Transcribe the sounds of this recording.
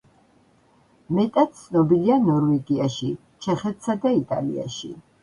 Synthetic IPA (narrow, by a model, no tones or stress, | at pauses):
mɛt̪ʼat̪̚t̪sʰnɔbilianɔɾvɛɡiaʃi | t͡ʃʰɛχɛt̪ʰsad̪ait̪ʼa̰lḭa̰ʃḭ